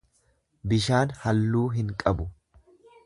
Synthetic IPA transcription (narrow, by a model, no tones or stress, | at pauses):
bɪʃaːnhɐlːuːɦɪŋkʼɐbʊ